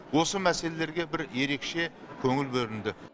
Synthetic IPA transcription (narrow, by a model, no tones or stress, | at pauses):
wo̞səmæse̞le̞le̞ɾɡʲebɪɾje̞ɾe̞kʃe̞ | kʲʰɵŋɪlbɵɾɪnd̪ɪ